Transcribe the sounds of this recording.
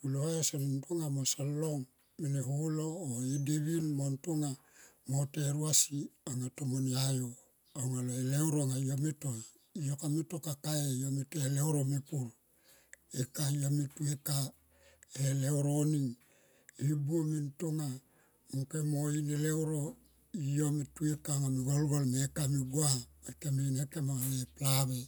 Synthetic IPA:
kulohajasanintoŋamosalːoŋ | meneɦuloːideβinmontoŋa | moteɾuasiaŋatomoniajo | aŋaloelewɾoŋajametoa | ijokametokakaejometueleoɾomepul | ekaijametueka | elewɾoniŋ | ibuomintoŋa | mukemoinelewɾo | ijometuekaŋamiɡolɡolmekamiɡuamekaminekemaŋaneplaβe̞

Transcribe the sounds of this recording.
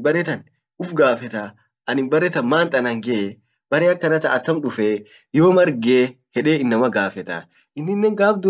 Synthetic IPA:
bɐɾɛt̪ɐn | ʔʊfɡaːfɛt̪ɐ | ʔɐnɪmbɐɾːɛt̪ɐnmaːnt̪ʼɐnɐŋɡɛʔe | b̥ɐɾeɐkːɐnɐt̪ɐɐt̪ːɐmᶑʊfeː | joːmɐɾɡeː | hɛᶑe̞ːɪnːɐmɐɡaːfɛt̪ɐ̰ | ɪnːɪnːɛŋɡaːfd̪u

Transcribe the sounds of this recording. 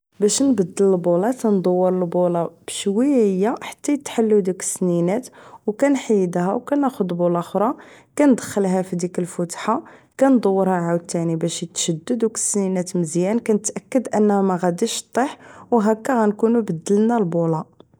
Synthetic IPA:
bæʃnbəd̪ːələlbulɑt̪ænd̪ˤɑwːəɾˤəlbolɑb̥əʃwihəjːæħḁt̪ːæjət̪ːħalːud̪ikə̥sninæt̪wkænħijd̪ɦæ̰wkænæxʊd̪bulɑxɾˤɑkænd̪əxəlɦæfid̪ikəlfʊt̪ħakænd̪ˤɑwːəɾhæʕaw̚t̪ːænibæʃjət̪ʃəd̪ːəd̪ukə̥sninæt̪məzjænkænət̪ʔækːəd̪ʔənːhæmæɣæd̪iʃt̪ˤːeħwɦækːæɣænkunubəd̪ːəlnælbulɑ

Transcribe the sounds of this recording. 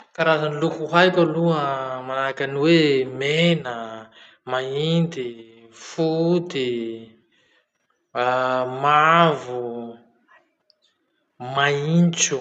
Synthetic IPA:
kaɾazanilukuɦajkʲaluəmanaakaniwemenə | maind̪i | fut̪i | mavu | maint͡ʃu

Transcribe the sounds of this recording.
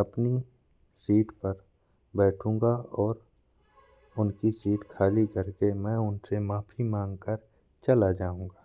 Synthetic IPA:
ɐpni | siːʈpɐɾ | bɛːʈʰũːŋɡaɔːɾ | ʊnkisiːʈkʰaːlikɐɾkemɛ̃ːʊnsemaːpʰimãːŋɡkəɾ | t͡ʃɐlad͡ʒaːũːɡaː

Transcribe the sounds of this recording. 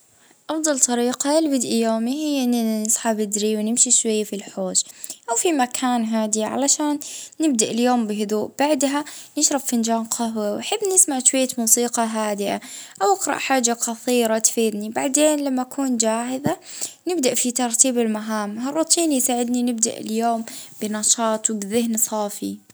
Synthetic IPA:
ʔɑfd̪ˤɑlt̪ˤɑɾiːqɑlbɪd̪ʔijoːmiɦɪjːɪnːnɨsˤħabɪd̪ɾiwnɪmʃiʃwajːafilħoːd͡ʒʔawfimakʰaːnɦaːd̪iʕa̰laʃaːnːɪb̚d̪aʔɪljoːmbɪɦʊd̪uːʔb̥aʕd̪ɦanɪʃɾˤɑbfɪnd͡ʒaːnqʰɑɦwawʔaħabːnɪsmaʕʃwajːamuːsiːqɑɦaːd̪ɪʔaʔawʔɪqɾˤɑ̰ʔħaːd͡ʒːaqɑθˤiːɾˤɑt̪feːd̪nibaʕd̪eːnlamːaʔakʰuːnd͡ʒaːhɪðanɪbd̪aʔfit̪ɑɾˤt̪iːbɪlmaɦaːmhɑrˤːʊt̪ˤʰiːnjsaːʕɪd̪ninɪb̚d̪a̰ʔɪ̰ljoːmb̥ɪnɑʃɑːt̪ˤwbɪðɪɦnsˤɑːfi

